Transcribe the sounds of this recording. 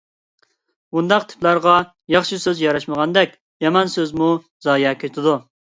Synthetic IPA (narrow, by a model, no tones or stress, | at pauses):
bund̪ɑqt̪ʰɪ̥plæɾʁɑ | jɑχʃisøzjɑɾɑʃməʁɑnd̪ɛkʲ | jɑmɑnsøzmu | zɑːjɑkʲʰet̪ʰɪd̪u